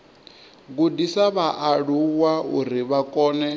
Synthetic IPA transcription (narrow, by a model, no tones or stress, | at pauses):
ɡudisaβaʔaɺuwauɾiβakʼɔːnɛ